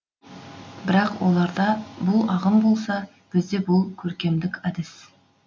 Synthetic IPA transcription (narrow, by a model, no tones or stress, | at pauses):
bɪɾɑqwo̞̰lˠɑɾd̪ɑbʊlˠɑʁəmbo̞lˠsɑ | b̥ɪzd̪e̞bʊlˠkʲʰɵɾkʲe̞md̪ɪkʲæd̪ɪs